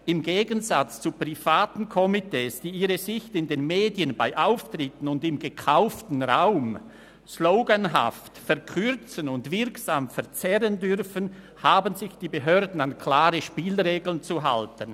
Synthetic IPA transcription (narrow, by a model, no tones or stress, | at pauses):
ʔɪmɡeːɡənzat͡st͡supʁ̥ifaːtn̩kʰɔmitʰeːsd̥iːiːʁəzɪçtɪndeːnmeːdiənbaɪʔaʊftʁ̥ɪtən̩ʊndɪmɡəkʰaʊftn̩ʁaʊm | sloʊɡənɦa̰ftfɛʁkʰʏʁt͡sənʊndv̥ɪʁksaːmfɛɐʁt͡sɛʁəndʏʁfən | haːbənzɪçd̥iːbəɦøːɐdn̩ankʰl̥aːʁəʃpiːlʁeːɡl̩ənt͡suɦa̰ltən